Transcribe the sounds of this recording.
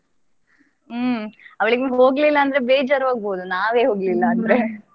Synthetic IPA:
ɐʋɐɭiɡeɦoːɡlilːɐːnd̪ɐɾe̞beːd͡ʒaːɾʋaːɡ̚boːd̪unaːʋe̞ːɦoːɡlilːɐːnd̪ɐɾe

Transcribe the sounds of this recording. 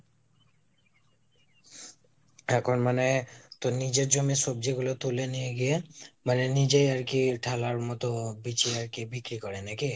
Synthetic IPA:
ɛkʰonmanet̪onid͡ʑeɾd͡ʑomiʃobd͡ʑiɡulot̪ulenijeɡiemanenid͡ʑejaɾkiʈʰalaɾmɔt̪obit͡ɕiaɾkibikɾikɔɾenaki

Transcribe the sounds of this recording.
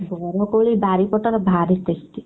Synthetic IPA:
bɔɾɔkoɭibaɾipɔʈɔɾɔbʱaɾit̪est̪i

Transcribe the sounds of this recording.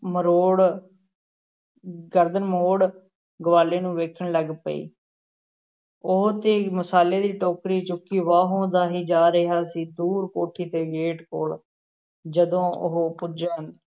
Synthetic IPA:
məɾoːɽ | ɡəɾd̪ənmoːɽ | ɡəʋaːleːnũːʋeːkʰəɳləɡpə̰ḭː | ʊɦt̪eːməsaːleːd̪iːʈoːkɾiːt͡ʃʊkːiːʋaːɦõːd̪aːɦiːd͡ʒaːɾəɦaːsiːd̪uːɾkoːʈʰiːt̪eːɡeːʈkoːl | d͡ʒəd̪õːʊ̰ɦpʊd͡ʒən

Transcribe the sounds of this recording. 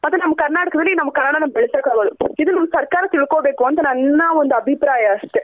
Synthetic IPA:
pɐt̪ːãːnɐmːɐkɐɾnaːɽɯkːɐʋɪlːinɐmːɐkːɐɾnaːɽaːnɐmːɐɛɭɪt͡ʃːaːkaːʋɐːðɯɪðɯnɐmːɐsɐɾkaːɾɐt̪ːɪɭɯkːoːʋekːɯʋɐnd̪ɯnɐnːaːʋɐnd̪ɯɐbʱɪpɾaːjɐsʈːɯ

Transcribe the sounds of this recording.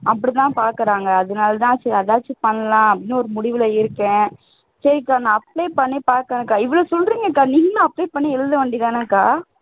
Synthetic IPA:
ʔɐpːɐɽit̪ãːpaːɾkɯɾaːŋɡɐːðɐnaːlɐt̪̬ãːsɐɾiɐðaːt͡ʃːɯpɐɳːɐlãːɐpɐɽɪnːɯɔɾɯmʊɽɪʋɪlɐɪɾɯkːẽː | sɐɾikːaːnãːɐpːleːpɐɳːeːpaːɾkɐnɐkːaːɪʋɐɭoːsɔlɾiːŋɡɐkːaːniːŋɡɐnãːɐpːleːpɐɳːeɛlnd̪ɯʋeːɳɖɪðaːnɐkaː

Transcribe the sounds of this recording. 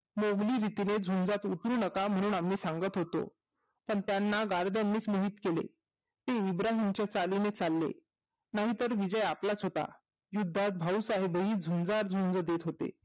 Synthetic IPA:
moɡliːɾit̪ined͡zʱund͡zat̪ut̪ɾuːnəkam̤əɽ̃uːnamːiːsaŋɡət̪ɦot̪o̰ | pəɳt̪janːaɡaɾd̪janːiːt͡sməɦiːt̪kelḛ | t̪eibɾaɦimt͡ɕjat͡salinet͡salːḛ | naɦit̪əɾʋid͡ʑəjaplat͡sɦot̪a̰ | jud̪ʱːat̪̚bʱausaɦebəɦiːd͡zʱund͡zaɾd͡zʱund͡zəd̪et̪ɦot̪ḛ

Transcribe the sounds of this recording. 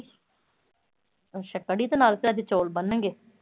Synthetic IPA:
ʃəkːəɽiːd̪oːnaːlsɪɾəd͡ʒ̪et͡ʃoːlbənːə̃ŋɡeː

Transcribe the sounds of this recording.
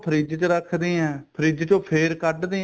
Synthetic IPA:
pʰəɾiːd͡ʒt͡ʃəɾəkʰd̪iːɛ̃ːpʰəɾiːd͡ʒt͡ʃõːpʰeːɾkəɖd̪iː

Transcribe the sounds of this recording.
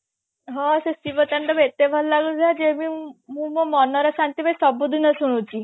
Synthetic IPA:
ɦɔsesiʋət̪aɳɖɔbet̪ebʱallaɡũd͡ʒʱad͡ʒemiɦũmɔmɔnɔɾɔsant̪ibʱajsɔbud̪ʱinəsuɽ̃ũt͡ʃi

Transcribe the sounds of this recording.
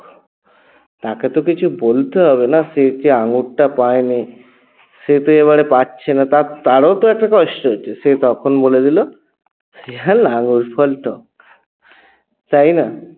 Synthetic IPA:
t̪aket̪okit͡ɕʰubolt̪eɦɔβenasetiaŋɡuɽʈapaeni | set̪oeβaɽepatːɕʰenat̪at̪aɽot̪oɛk̚ʈakɔʃʈoɦot͡ɕʰeset̪ɔkʰonboled̪ilo | seanaŋuɾpʰɔlʈɔ | t̪ajna

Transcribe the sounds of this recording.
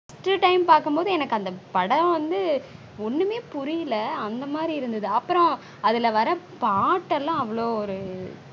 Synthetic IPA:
ɐsʈɯʈɐɪmpaːɾkɯmpoːðɯɛnɐkːɯɐnd̪ɐpɐɽɐ̃ʋɐnd̪ɯ | ɔnːɯmeːpʊɾɪjɪlɐːnd̪ɐmaːd̪ɾiɪɾɯnd̪ɐðɯɐpːɯɾɔ̃ | ɐðɪlɐʋɐɾɐ | paːʈːɛlːãːɐʋːɐɭoːɔɾɯ

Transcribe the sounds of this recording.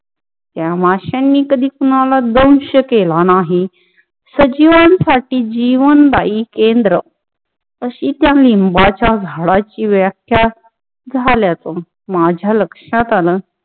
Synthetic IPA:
t̪jamaɕanːiːkəd̪ʱiːkunalad̪ə̃w̃ɕəkelanaɦi | səd͡ʑiʋãnsaʈiːd͡ʑiʋənd̪aikend̪ɾə | əɕiːt̪jãlimbat͡ɕjad͡zʱaɽat͡ɕiːʋjakʰja | d͡zʱaljat͡sə | mad͡ʑʱjaləkʂat̪aləː

